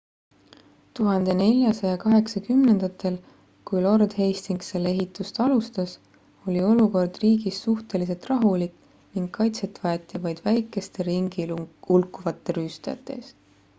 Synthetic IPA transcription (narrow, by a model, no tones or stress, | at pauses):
t̪uɦɑnd̪̥e̞ne̞lʲjɑsɑjɑkɑɦe̞ksɑkymne̞nd̪̥ɑt̪ːˑe̞l | kujlo̞rd̪̥he̞jst̪iŋɡ̥se̞lːe̞ɦit̪ːˑust̪ɑlust̪ɑs | o̞lʲio̞luko̞rd̪̥riːɡ̥isːuht̪e̞lis̬e̞lt̪rɑɦulik | niŋɡːɑjt̪se̞t̪ːˑvɑjet̪ːˑivɑjd̪̥væjkːˑe̞st̪e̞ɾiŋɡ̥iulkːˑuvɑt̪ːˑe̞ɾyst̪ɑɑ̰t̪ːˑe̞̰s